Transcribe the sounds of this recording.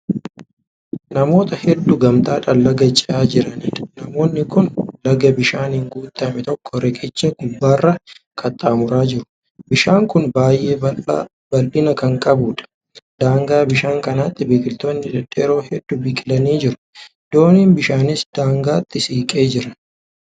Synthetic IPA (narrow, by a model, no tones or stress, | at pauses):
nɐmo̞ːt̪ɐhɛd̪ːʊɡɐmt̪ʼaːᶑɐlːɐɡɐt͡ʃʼːɛʔaːd͡ʒɪɾɐnnɐmo̞ːnːɪkʊnlɐɡɐbɪʃaːnhɪŋɡuːt̪ʼːɐmɛt̪ɔkʰːɔɾɛkʼɪt͡ʃːɐɡʊbːaːrːɐ | kʰʼɐt̪ʼːaːmʊɾaːd͡ʒɪɾʊ̥ | bɪʃaːŋkʊnbaːjʔe̞ː | bɐlʔɪnɐkɐŋkʼɐbuːᶑɐ̥ | d̪aːŋɡaːbɪʃaːŋkɐnɐt̪ːɪbiːkʼɪlt̪oːnːɪᶑɛᶑeːɾo̞ːɦɛd̪ːʊbɪːkʼɪlɐniːd͡ʒɪɾʊ̥ | d̪̥o̞ːniːnbɪʃaːnɪsd̪aːŋɡaːt̪ʰʼːɪsiːkʼe̞ːd͡ʒɪɾɐ